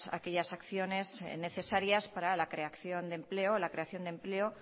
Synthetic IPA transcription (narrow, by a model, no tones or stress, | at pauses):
a̰keʎasakθjo̞ne̞zne̞θe̞saɾjaspaɾalakɾe̞akθjo̞nd̪e̞mple̞olakɾe̞aθjo̞nd̪e̞mple̞o